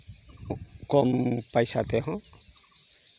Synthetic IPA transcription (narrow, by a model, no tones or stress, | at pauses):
kɔmpajsat̪eɦɔ̃